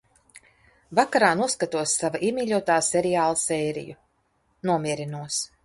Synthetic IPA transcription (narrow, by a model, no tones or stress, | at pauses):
vakaɾaːnuskat̪uɔsːavaʔimʲiːʎʲuɔt̪aːseɾiaːlˠasɛːɾḭju | nuɔmʲiɛɾinuɔs